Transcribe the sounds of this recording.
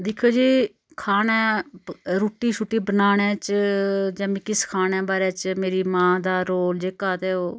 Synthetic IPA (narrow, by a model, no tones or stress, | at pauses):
d̪ɪkʰoːd͡ʒiː | kʰaːnɛ̃ː | ɾuːʈiːʃʊʈːiːbənaːɳ̃ɛ̃ːt͡ʃd͡ʒãːmĩːkɪskʰaːnɛ̃ːbaːɾɛːt͡ʃmeːɾiːmãːd̪aːɾoːld͡ʒeːkaːt̪eːoː